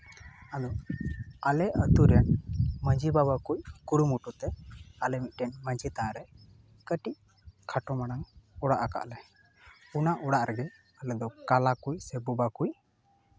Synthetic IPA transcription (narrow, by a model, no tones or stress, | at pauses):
ad̪ɔ | alɛʔət̪uɾjanməɲd͡ʒibaβakujkuɽumuʈut̪ɛalɛmit̪̚ˀʈɛnməɲd͡ʒit̪aɾɛ | kəʈiʔ | kʰaʈɔmaɽaŋɔɽaʔaka̰ʔlɛ | punaʔɔɽaʔɾɛɡɛ | əlɛd̪ɔkalakujsɛbubakuj